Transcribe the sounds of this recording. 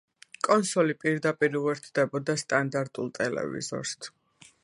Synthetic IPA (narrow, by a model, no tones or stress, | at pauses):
kʼɔnsɔlipʼiɾd̪apʼiɾiuɛɾt̪ʰd̪ɛbɔd̪ast̪ʼand̪aɾt̪ʼulˠt̪ʼɛlɛ̰vḭzɔ̰ɾst̪ʰ